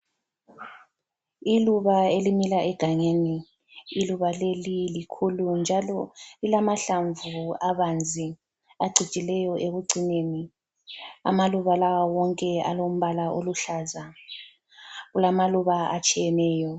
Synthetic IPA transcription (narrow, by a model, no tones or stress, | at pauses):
iluβaelimilaʔɛɡ̥ʱaŋeniː | luβalelilikʰulund͡ʒʱalɔilamaɬaɱvuaβand͡zʱi | aɡ͡ǀʱi̥t͡ʃʼilɛjɔʔeɣuɡ͡ǀʱineni | a̰maluβalawawɔŋkʼɛa̰lom̩βalaʔoluɬaza | ɣulamaluβaat͡ʃʼijɛnɛːjɔ